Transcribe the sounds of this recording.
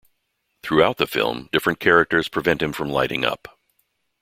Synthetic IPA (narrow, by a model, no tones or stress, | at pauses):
θɹʉaʊt̪̚ðəfɪ̰lˠmdɪfɹɨ̃nkʰɛɹɨk̚tə˞z̥pʰɹ̥ɨvɛ̃nt̚hɨ̃ɱfɹʌ̃mlaɪɾɪ̰̃ŋʌ̰p